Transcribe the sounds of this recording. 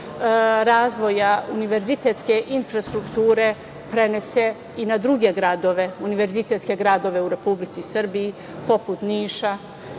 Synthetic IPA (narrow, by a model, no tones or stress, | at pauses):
ɾaːzʋo̞jauniʋe̞ɾzit̪et̪ske̞ʔinfɾast̪ɾukt̪uːɾe̞ | pɾe̞ne̞se̞ | inad̪ɾuɡe̞ɡɾad̪o̞ʋe̞uniʋe̞ɾzit̪e̞t̪skʲe̞ɡɾaːd̪o̞ʋe̞uɾe̞publit̪sisr̩biː | po̞put̪niːʃa